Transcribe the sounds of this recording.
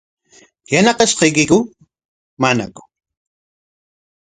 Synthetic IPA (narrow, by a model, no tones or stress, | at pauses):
janɑqɑʃqɑjkɪkʊ | mana̰kʊ̥